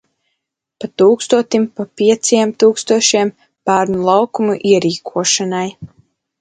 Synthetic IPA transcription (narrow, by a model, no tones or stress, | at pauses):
pat̪uːkst̪uɔt̪impapiɛt̪sjɛmt̪uːkst̪uɔʃiɛm | b̥æːɾnulˠawkumuʔiɛɾiːkʰuɔʃanaj